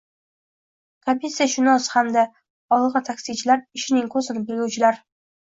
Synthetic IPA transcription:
kʰapʲesaʃʊnɒshamd̪a | ɒlˠʁɨt̪ʰakʲsit͡ʃʰɪlaɾɪʃɪnɪŋkʰɵzɪnɪbɪlɡʲʊwt͡ʃʰɪlaɾ

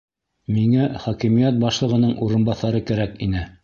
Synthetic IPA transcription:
miŋæχɒkimijæt̪̚bɑʃlˠɤ̆ʁɤ̆nɤɴʔuɾɤ̆nbɑθɑɾɤkæɾækinɘ

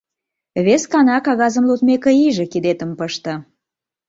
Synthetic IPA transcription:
βeskɑnɑkɑɣɑzə̆mlut̪mekeiʒĕkid̪et̪əmpəʃt̪ə̆

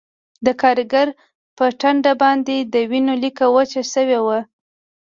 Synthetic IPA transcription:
d̪əkɑɾɡaɾ | pəʈaɳɖabɑnd̪ed̪əwinolikawat͡ʃaʃəwewa

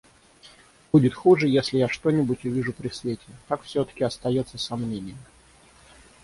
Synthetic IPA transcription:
budʲɪt̪xuʐɨjesʲlʲɪjaʂt̪onʲɪbʊtʲʊvʲiʐʊpɾʲɪsvʲetʲɪkakfsʲot̪ə̥kʲɪɐst̪ɐjo̞t̪səsɐmnʲenʲɪjə

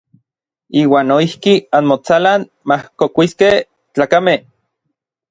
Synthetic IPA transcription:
iːwaːnːoihkianmot͡salan | mahkokʷiskeh | t͡ɬaːkameh

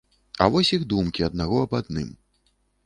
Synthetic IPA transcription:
ɐ̰vɔsʲiɣd̪umkʲiɐd̪naɣɔɐbad̪nɨ̰m

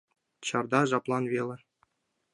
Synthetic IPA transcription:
t͡ɕɑrd̪ɑʐɑplˠɑnʋʲelʲɘ̆

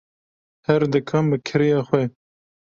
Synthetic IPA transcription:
hɛɾd̪ɨkʰɐmbɨkʰɨɾijɑːxwɛ

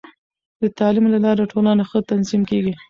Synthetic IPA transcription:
d̪ət̪ɑlimlalɑɾaʈolɑnaxət̪anzimkeɡi

